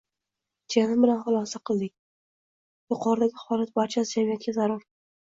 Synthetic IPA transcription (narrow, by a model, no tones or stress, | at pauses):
d͡ʒʰenɪmbɪlanχʊlˠɒsaqʰɨlˠd̪ɪkʲ | jʊqʰɒɾd̪aɡʲɪhɒlˠat̪̚baɾt͡ʃʰasɪd͡ʒamijat̪̚kʲazaɾʊɾ